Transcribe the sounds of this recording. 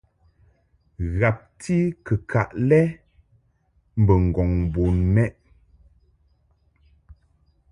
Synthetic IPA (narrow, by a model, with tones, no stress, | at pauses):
ɣa˨p̚tʰi˦kə˨kʰa˨ʔlɛ˦ | m̩˨bə˨ŋ̩˨ɡɔ˨ŋ˨bo˨n˦nɛ˦ʔ